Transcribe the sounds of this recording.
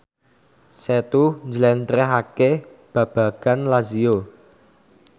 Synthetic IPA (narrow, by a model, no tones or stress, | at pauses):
set̪uɲd͡ʒlɛnt̪ɾɛɦakeb̥ä̤b̥ä̤ɡ̥a̤nlazio